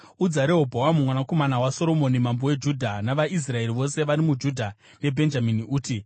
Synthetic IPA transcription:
ud͡zaɾeɦobʱowamumwanako̞manawaso̞ɾo̞mo̞nimambowe̞d͡ʒudʱanaʋaʔis̬rae̞riʋo̞se̞ʋaɾimud͡ʒudʱa | ne̞bʱe̞nd͡ʒaminiuːti

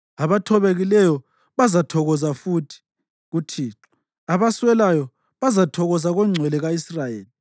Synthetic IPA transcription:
aβatʰɔβeɣilɛjɔ | βazatʰɔɣɔzafutʰi̥ | ɣutʰiːǁɔ | aβaswɛlajɔ | βazatʰɔɣɔzaɣɔŋ͡ǀʱwɛlɛɣaisrajeːli

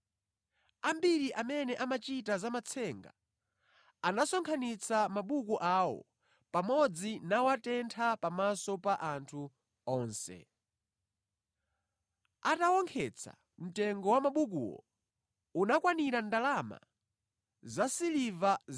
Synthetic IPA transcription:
ambiɾiʔamɛnɛʔamat͡ʃitazamat͡sʰɛŋɡa̰ | anasɔŋkʰanit͡sʰamaɓukuʔawɔ̰ | pamɔd͡zinawatɛntʰapamasɔpaʔantʰu | ɔːnsɛ̰ | atawɔŋkʰɛt͡sʰa̰ | m̩tɛŋɡɔwamaɓuk̬ṵwɔ̰ | unakwaniɾandalama̰ | zasiliva

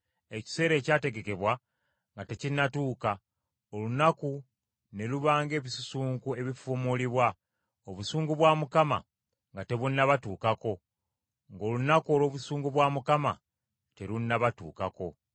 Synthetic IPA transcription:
e̞ci̥se̞ːɾe̞ːcaːte̞ɡe̞ke̞βwa | ŋɡate̞cinːatuːka | olunaku | ne̞luβaːŋɡe̞ːβisusuːŋkue̞βifomoliβwa | oβusuːŋɡuβwamukama̰ | ŋɡate̞βunːaβatuːkako̞ | ŋɡo̞ːlunakuo̞lo̞ːβusuːŋɡuβwamukama̰ | te̞lunːaβatṵːkako̞

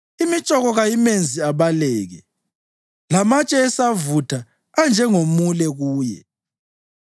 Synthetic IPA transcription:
imit͡ʃʼɔɣɔɣajimend͡zʱiaβalɛːɣɛ | lamat͡ʃʼɛːsavutʰaː | nd͡ʒʱɛŋomulɛɣuːjɛ̰

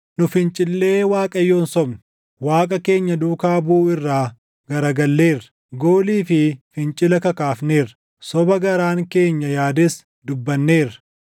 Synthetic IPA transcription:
nʊfɪnt͡ʃʼɪlːe̞ːwaːkʼɐjːo̞ːnsɔbnʊ | waːkʼɐke̞ːɲːɐd̪uːkaːbuːɪrːaː | ɡɐɾɐɡɐlːe̞ːrɐ̥ | ɡo̞ːliːfɪfɪnt͡ʃʼɪlɐkɐkaːfne̞ːrɐ̥ | sɔbɐɡɐɾaːŋke̞ːɲːɐjaːd̪ɪs | d̪ʊbːɐnːeːrɐ̥

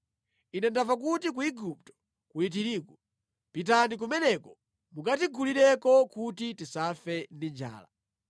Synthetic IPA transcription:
inɛndavak̬utik̬uiɡup̚tɔ̥ | kulit̬iɾiːkɔ | pit̬anik̬umɛnɛkɔ | mukat̬iɡʰuliɗɛkɔkutitisafɛndind͡ʒa̰ːla̰

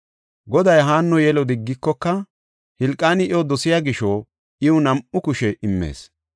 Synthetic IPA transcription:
ɡɔd̪ɐjɦaːnːɔjɛlɔd̪ɪɡːɪkːɔkːɐ | hɪlkʼːaːnɪʔɔd̪ɔsɪjaːɡɪʃoː | ʔɪʊnɐmʔʊkʊʃɛʔɪmːḛːs

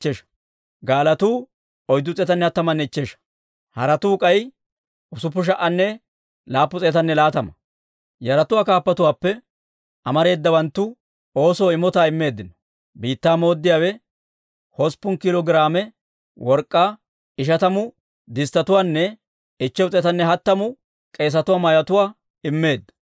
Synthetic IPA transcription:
t͡ʃːeʃ | ɡaːlɐt̪uː | ɔjd̪ːʊt͡sʼɛːt̪ɐnːɛɐt̪ːɐmɐnːɛɪt͡ʃːeːʃɐ̥ | hɐɾɐt̪uːkʼɐj | ʔʊsʊpːʊʃ̬ɐʔɐnːɛ | laːpːʊt͡sʼeːt̪ɐnːɛlaːt̪ɐmɐ | jɐɾɐt̪ʊwaːkaːpːɐt̪ʊwaːpːɛ | ʔɐmɐɾe̞ːd̪ːɐbɐnt̪ːʊ | o̞ːsoːɪmɔt̪aːɪmːe̞ːd̪ːɪnɔ̥ | biːt̪ːaːmo̞ːd̪ːɪjaːwɛ | hɔspːʊnkɪloɡɾaːmɛ | wɔɾkʼːaː | ɪʃ̬ɐt̪ɐmʊ | d̪ɪst̪ːɐt̪ʊwaːnːɛ | ɪt͡ʃːɛwʊt͡sʼeːt̪ɐnːɛɦɐt̪ːɐmʊ | kʼe̞ːs̬ɐt̪ʊwaːmɐjɐt̪ʊwaː | ɪmːe̞ːd̪ːɐ̥

